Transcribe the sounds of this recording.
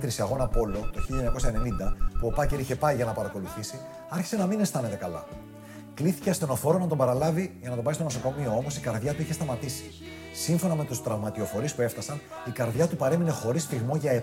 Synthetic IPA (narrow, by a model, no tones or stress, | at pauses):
t̪ɾisiɐɣo̞nɐpo̞lo̞t̪oçilʎɐoɲɐko̞sɐene̞nind̪ɐpuo̞pɐceɾiçe̞pɐjʝɐnɐpɐɾɐko̞luθisi | ɐɾçi̥se̞nɐminest̪ɐne̞t̪e̞kɐlɐ̰ | kliθi̥ceɐst̪e̞no̞fo̞ɾo̞nɐt̪̬obɐɾɐlɐviʝɐnɐt̪o̞bɐist̪o̞no̞soko̞mio̞o̞mo̞sikɐɾðʝɐt̪uiçe̞st̪ɐmɐt̪isi̥ | siɱfo̞nɐme̞t̪ust̪ɾɐvmɐt̪io̞fo̞ɾispue̞ft̪ɐsɐn | ikɐɾðʝɐt̪upɐɾe̞mine̞xo̞ɾisfiɣmo̞ʝɐe